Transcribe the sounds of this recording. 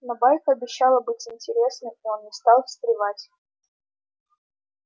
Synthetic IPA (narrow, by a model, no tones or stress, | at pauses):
nɐbajkəɐbʲɪɕːalˠəbɨtʲɪnʲtʲɪɾʲe̞snɨmio̞nnʲɪst̪ɑlˠsʲt̪ɾʲɪvatʲ